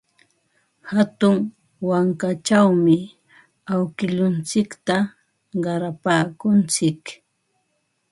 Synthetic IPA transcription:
hat̪ʊŋ | waŋkat͡ʃawmɪ | awkɪʎʊnt͡sɪkt̪a | ɢɑɾapaːkʊnt͡sɪk

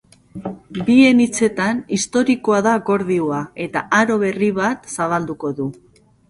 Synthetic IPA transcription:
bie̞nit͡se̞t̪anist̪o̞ɾiko̞aðaɣo̞ɾðioae̞t̪aʔaɾo̞β̞e̞riβ̞at̪saβald̪uko̞ðu

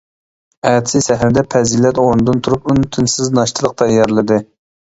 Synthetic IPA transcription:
ɛt̪ʰsɪsɛɦɾɪd̪ɛpʰɛzilɛt̪oɾnɨd̪ɨnt̪ʰuɾupynt̪ʰynsɪznɑʃt̪ʰɨlˠəq̚t̪ʰɑjɑɾlˠɨd̪ɨ

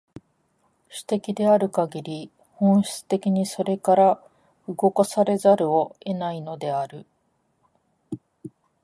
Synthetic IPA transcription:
ɕi̥t̪e̞kʲid̪e̞aɾɯ̟kaɡʲiɾʲi | hõ̞ɰ̃ɕi̥t͡sɨ̥t̪e̞kʲiɲ̟iso̞ɾe̞kaɾa | ɯɡo̞kasaɾe̞zaɾɯ̟o̞e̞naino̞d̪e̞aɾɯ̟

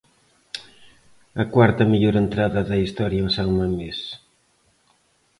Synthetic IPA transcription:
ɐkwaɾt̪ɐmiʎoɾent̪ɾaðɐðɐist̪ɔɾjɐesawmɐmes

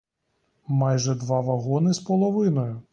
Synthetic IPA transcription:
mɑjʒɛd̪ʋɑʋɐɦɔnɪspɔlˠɔʋɪnɔjʊ

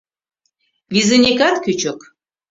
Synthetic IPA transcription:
vizenʲekɑt̪kyt͡ɕək

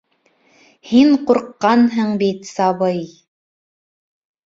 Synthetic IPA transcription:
hiɴquɾqːɑnɦɤɴbit̪sɑβɤj

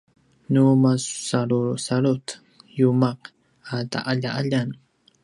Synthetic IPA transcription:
numassalʊsalʊt̪ | jʊmɑq | at̪a̰ʔaʎaʔaʎaŋ

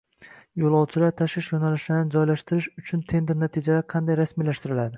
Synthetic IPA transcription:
jolˠɒwt͡ʃʰɪlaɾt̪ʰaʃɪʃjonalɪʃɪd̪and͡ʒɒjlaʃt̪ɪɾɪʃʊt͡ʃʰʊnt̪ʰe̞nd̪ɪɾnat̪ʰid͡ʒalaqʰɑnd̪ajɾasmilaʃt̪ɪɾɪlad̪ɪ

